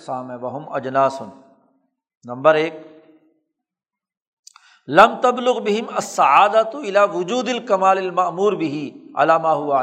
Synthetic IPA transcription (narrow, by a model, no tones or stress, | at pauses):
saːmẽʋɐɦʊmɐd͡ʒnaːsʊn | nɐ̃mbəɾeːk̚ | lɐmt̪ɐblʊɣbɪɦɪmɐsːɐʕaːd̪at̪ɪlaːʋʊd͡ʒuːd̪ɐlkɐmaːlɐlmɐʔmuːɾbɪɦiʕa̰laːmaːɦʊʋa